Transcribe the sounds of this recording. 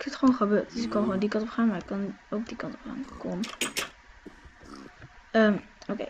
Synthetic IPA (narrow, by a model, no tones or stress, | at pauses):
ɪkɛtχəʋonχəbøːɹtdəsɪkkɑnχʋoːndikɑ̃ntɔpχaːnmaːɹɪkːɑnowk̚dikɑntɔpχa̰ːnkom | əm | okḛ